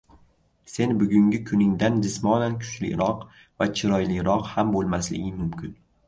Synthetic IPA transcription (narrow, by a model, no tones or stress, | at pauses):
se̞nbʊɡʲʊŋɡʲɪkʰʊnɪŋd̪and͡ʒɪsmɒnankʲʰʊ̥t͡ʃʰlɪ̰ɾɒq | vat͡ʃʰɪɾɒjlɪɾɒqhambolˠmaslɪ̰ɡʲɪmʊmkʲɪn